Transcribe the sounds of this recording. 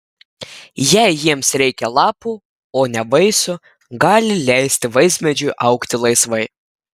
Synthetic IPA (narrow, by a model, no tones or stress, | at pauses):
jɛɪjiɛmsɾʲɛɪkʲɛlˠɑːpu | oːnʲɛbɐɪsʊ | ɡɑːlʲɪlʲæˑɪsʲt̪ʲɪʋɐɪsʲmʲɛd͡ʒʲʊɪʔɐʊkt̪ʲɪlˠɐɪsʋɐɪ